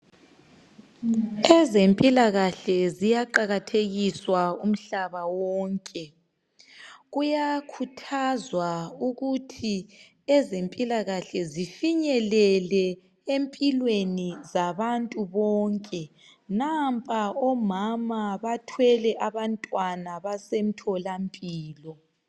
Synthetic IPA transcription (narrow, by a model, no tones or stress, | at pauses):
ɛzempʼilaɣaɬɛzijaǃaɣatʰeɣiswaum̩ɬaβawɔːŋkʼɛ | ɣujakʰutʰazwauɣutʰi | ɛzempʼilaɣaɬɛzifiɲɛlɛlɛ | empʼilwenizaβantʼuβɔːŋkʼɛ | nampʼaɔmamaβatʰwɛlɛʔaβantʼwanaβasem̩tʰɔlampʼiːlɔ